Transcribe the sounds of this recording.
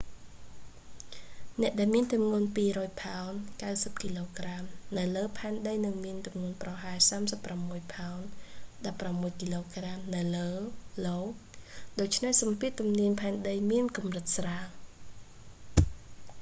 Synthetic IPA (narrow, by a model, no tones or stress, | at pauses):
nɛ̆əʔɗaɛlmiənt̪umŋuənpiːɾɔːjpʰaɔnkawsəp̚kiloːkramnɨwləːpʰaɛnɗəjnɨŋmiənt̪umŋuənprɑɦaɛsaːmsəpːramːuəjpʰaɔnɗɑpːramːuəjkiːloːkramnɨwləːloːɗoːc̚t͡ɕʰnehsɑmpiəʔt̪umniəŋpʰaɛnɗəjmiənkumrɨt̪̚sraːŋ